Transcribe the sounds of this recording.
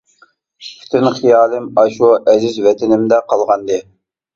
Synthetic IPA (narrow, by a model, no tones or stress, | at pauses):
pʲʰi̥t̪ʰɪnχijɑːlˠɪmɑʃuʔɛzɪzvɛt̪ʰɪnɪmd̪ɛqʰɑlˠʁɑnd̪ɨ